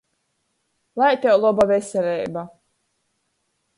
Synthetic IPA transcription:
lˠajt̪ʲɛwlˠɔbavɛsɛlʲɛjba

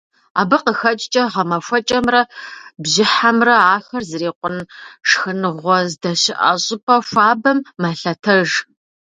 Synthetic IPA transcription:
a̰ːbɨqəxɐt͡ʃʼt͡ʃʼɐʁɐmɐfʷɔt͡ʃʼɐmrɐbʑɪħamrɐaːxɐrzɨreːqʷʊnʂxɨnɨʁʷɔzdɐɕɪʔɐ̰ɕʼɪpʰʼɐfʷaːbɐmːaɬɐtʰɐʒ

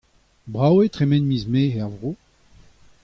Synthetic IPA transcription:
bʁawet̪ʁemɛnmizmeːɛʁvʁoː

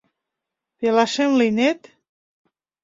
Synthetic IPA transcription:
pelaʃemlinet̪

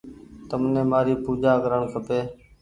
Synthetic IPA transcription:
t̪əmnẽːmaːɾiːpuːd͡ʒaːkəɾəɳkʰəpeː

